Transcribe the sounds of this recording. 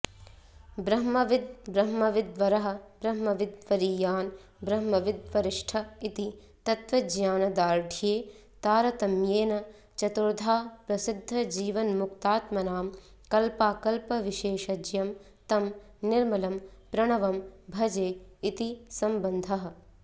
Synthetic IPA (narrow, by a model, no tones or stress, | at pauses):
bɾɐɦmɐʋɪd̪̚bɾɐɦmɐʋɪd̪ʋɐɾɐɦɐ̆bɾɐɦmɐʋɪd̪ʋɐɾiːjaːn | bɾɐɦmɐʋɪd̪ʋɐɾɪʂʈʰɐit̪i | t̪ɐt̪ʋɐd͡ʒjaːnɐd̪aːɾʈʰijeː | t̪aːɾɐt̪ɐmjeːnɐ | t͡ʃɐt̪uɾd̪ʱaːpɾɐsɪd̪ʱːɐd͡ʒiːʋɐnmuk̚t̪aːt̪mɐnaːm | kɐlpaːkɐlpɐʋiʃeːʃɐd͡ʒjɐm | t̪ɐm | nɪɾmɐlɐmpɾɐɳɐʋɐmbʱɐd͡ʒeːit̪isɐmbɐnd̪ʱɐɦɐ̆